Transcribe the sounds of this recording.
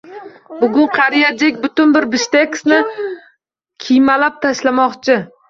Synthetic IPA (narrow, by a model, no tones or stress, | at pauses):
bʊɡʊɴqʰɑɾijad͡ʒekʲbʊt̪ʊnbɪɾbɪʃt̪ekʲsnɪ | kʲʰijmalap̚t̪ʰaʃlamɒqt͡ʃʰɪ